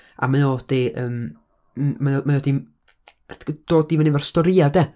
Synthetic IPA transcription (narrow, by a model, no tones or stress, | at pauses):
a̰manoːd̥iʔəːm | mamanoːdim | d̥oːdivɛnivɛrstɔɾiadɛ